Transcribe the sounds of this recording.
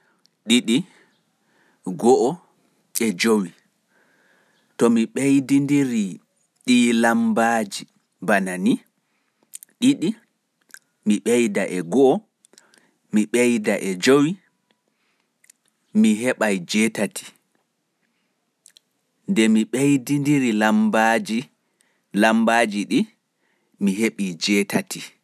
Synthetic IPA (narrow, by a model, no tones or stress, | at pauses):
ɗiɗi | ɡɔʔɔ | ɛd͡ʒowi | tɔmiɓejdindiɾi | ɗilambad͡ʒi | banani | ɗiɗi | miɓejdaʔɛɡɔʔɔ | miɓejdaʔɛd͡ʒowi | miɦɛɓajd͡ʒɛtatʰi̥ | ndɛmiɓejdindiɾilambad͡ʒi | lambad͡ʒiɗi | miɦeɓid͡ʒɛːtʰatʰi